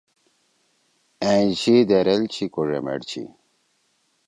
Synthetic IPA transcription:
ẽt͡ɕid̪eɾelt͡ɕʰikoʐḛmḛɽt͡ɕʰḭ

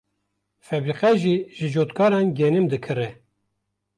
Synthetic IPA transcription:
fɛbɾiqɛʒiːʒɨd͡ʒoːt̪kʰɑːɾɑnɡɛnɨmd̪ɨkʰɨɾɛ

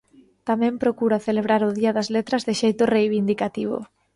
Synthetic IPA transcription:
t̪amɛ̃mpɾokuɾaθeleβ̞ɾaɾʊðiɐðɐzlet̪ɾɐzðɪʃejt̪ʊrejβind̪ikat̪iβ̞o̰

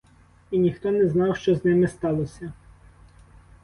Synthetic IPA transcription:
inʲixt̪ɔnɛznɑwʃt͡ʃɔznɪmɪst̪ɑlˠɔsʲɐ

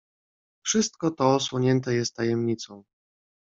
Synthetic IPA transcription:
fʂɘst̪̚kɔt̪ɔːswɔɲɛnt̪ɛjɛst̪ːajɛmɲit̪sɔ̃w̃

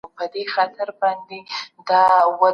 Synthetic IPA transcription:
pəd̪exat̪ʰaɾbɑnd̪ed̪ɑwa

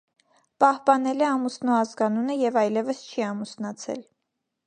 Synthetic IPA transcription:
pɑhpɑnɛlɛɑmusnuɑzɡɑnunəjɛvɑjlɛvəst͡ʃʰiɑmusnɑt͡sʰɛ̰l

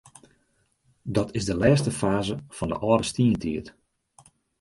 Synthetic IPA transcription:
dɔtʰɪzdəlɛːstəfaːzəfɔndə̰ʔɔːrdəstiəntʰiət

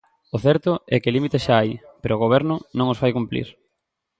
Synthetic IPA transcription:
ʊθɛɾt̪ʊɛkɪlimit̪esʃaajpeɾoɣoβ̞ɛɾnʊnõŋosfajkumplḭɾ

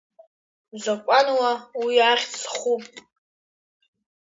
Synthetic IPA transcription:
zakʷʼanwawiaːχʲt͡sʰχupʼ

